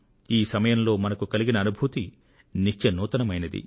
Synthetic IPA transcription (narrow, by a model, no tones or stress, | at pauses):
iːsɐmɐjɐmlo̞ːmɐnɐkukɐliɡinɐːnubʱut̪i | nit͡ʃt͡ʃɐnuːt̪ɐnɐmɐjnɐd̪ḭ